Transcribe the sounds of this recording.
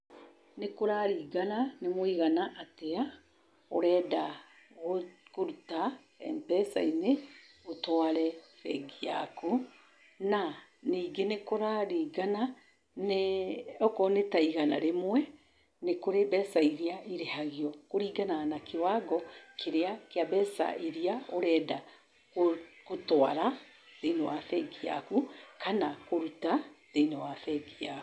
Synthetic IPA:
nekoɾaɾiːɡananemoiɣanaʔatea | o̰ɾɛːda | ɣokoɾuta | ɛ̰ntɛsa̰ine | otoaɾɛfɛɡia̰ku | naniːɡenekoɾaɾiːɡana | neɔkɔnetaiɣana̰ɾemwɛ | nekoɾebɛsaiɾiaiɾehaɣiɔkoɾiːɡananakewaɡɔkʰeɾeakeabɛːsa̰ʔiɾiaoɾɛːda | kokotoaɾa | teinewaθɛɡia̰kukʰanakoɾutatenewafɛɡiak

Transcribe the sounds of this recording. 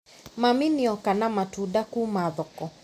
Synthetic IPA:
maminiɔkanamatuɗakumaðɔkɔ

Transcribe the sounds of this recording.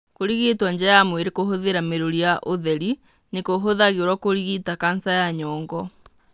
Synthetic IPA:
koɾiɣetwaɲd͡ʑɛajamweɾekoɦoðeɾameɾoɾijaʔoðɛɾi | nekoɦoðaɣeɾwakoɾiɣitakansajaɲɔːŋɡɔ

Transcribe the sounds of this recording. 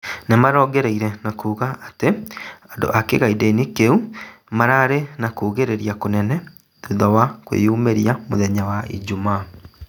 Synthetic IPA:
nemaɾɔːɡɛɾeiɾɛnakuːɣaateando̰ʔakeɣaidenikeumaɾaːɾenakuːɣeɾeɾiakonɛnɛ | ðuðɔwakwḛuːmeɾiamo̰ðɛɲawaʔḭd͡ʒuma

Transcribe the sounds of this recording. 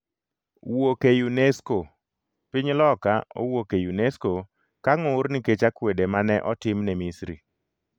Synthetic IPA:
wokejunesko | pɪɲlɔkao̰wokejunesko | kaŋorniket͡ʃakwedemanɛʔɔtɪmnɛmisɾḭ

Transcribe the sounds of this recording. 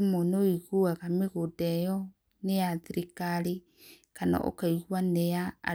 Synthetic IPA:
mɔnoiɣuaɣameɣodɛjɔ | nejaðiɾikaɾe | kana̰ʔo̰kaiɣwaneja̰ː

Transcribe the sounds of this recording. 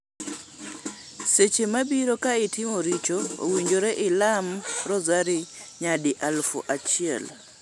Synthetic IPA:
set͡ʃemabiɾokaɪtɪmoɾit͡ʃoo̰wiɲd͡ʒoɾeʔɪlamɾɔzaɾiɲadiʔalfṵʔat͡ʃɪɛ̰l

